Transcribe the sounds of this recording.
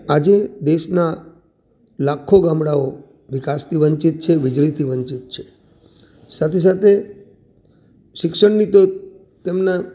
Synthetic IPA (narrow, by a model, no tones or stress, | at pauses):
ad͡ʒed̪eʃna | lakʰːoɡamɽao | ʋɪkast̪ʰiʋəɲt͡ʃit̪̚t͡ʃʰeʋɪd͡ʒlit̪ʰiʋəɲt͡ʃit̪̚t͡ʃʰe | sat̪ʰes̬at̪ʰe | ʃɪkʃəɳnit̪o | t̪emna